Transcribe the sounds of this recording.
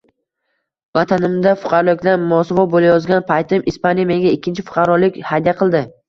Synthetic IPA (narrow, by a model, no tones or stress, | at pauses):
vat̪ʰanɪmd̪afʊ̥qʰɑɾɒlˠɪkʲlaɾmɒsvɒbolajɒzɡʲanpʰajt̪ʰɪmʔɪspanjameɡʲaɪkʲʰːɪnt͡ʃʰɪfʊ̥qʰɑɾɒlɪkʲhad̪ijaqʰɨlˠd̪ɪ